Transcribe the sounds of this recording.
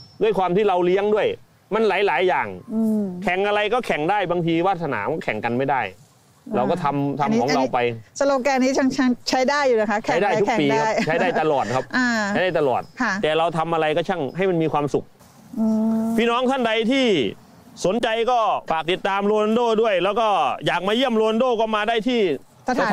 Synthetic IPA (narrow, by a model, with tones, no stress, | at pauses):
du˥˩əjkwaː˧mt̪ʰiː˥˩ɾa˧wli˦˥əŋdu˥˩əj | ma˧nlaː˨˩˦jlaː˨˩˦jːaː˨˩ŋː˧kʰɛ˨˩ŋʔa˧ɾa˧jkɔː˥˩kʰɛ˨˩ŋdaː˥˩jbaː˧ŋt̪ʰiː˧waː˥˩t̪ʰːa˧na̰ː˩˦kɔː˥˩kʰɛ̰˨˩˦ŋka˧nma˥˩jdaː˥˩j | ɾa˧wkɔː˥˩t̪ʰa˧mt̪ʰa˧m˦ɔː˩˦ɾa˧pa˧jsa˧loː˧kɛː˧niː˦˥t͡ɕʰa˧˥ŋt͡ɕʰa˥t͡ɕʰa˦˥jdaː˥˩jːuː˨˩na˦˥kʰa˦˥t͡ɕʰa˦˥jdaː˥˩jt̪u˦kŋpiː˧kʰa˦˥˩t͡ɕʰa˦˥jdaː˥˩jt̪a˧lɔː˨˩t̪̚kʰa˦˥p̚ʔaː˧˦˥jdaː˥˩t̪lɔ̰ː˨˩t̪̚ʰɛː˨˩ɾa˧wt̪ʰa˧mʔa˧ɾa˧jkɔː˥˩t͡ɕʰa˥˩ŋɦa˥˩jma˧nmiː˧kʰwaː˧msu˨˩k̚ | ɯː˧pʰiː˥˩nɔː˦˥ŋt̪ʰa˥˩nda˧jt̪ʰiː˥˩ | so˩˦nt͡ɕa˧jkɔː˥˩faː˨˩k̚t̪i˨˩t̪ːaː˧mɾu˧ndoː˥˩du˥˩əjlɛː˦˥wkɔː˥˩jaː˨˩k̚maː˧ji˥˩əmlu˧ndoː˥˩kɔː˥˩maː˧daː˥˩jt̪ʰiː˥˩˧